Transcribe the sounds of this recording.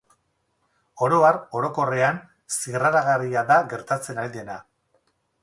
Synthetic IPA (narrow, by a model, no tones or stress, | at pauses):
o̞ɾo̞aro̞ɾo̞ko̞re̞an | siɣraɾaɣariaðaɣe̞ɾt̪at͡se̞naɾiðe̞na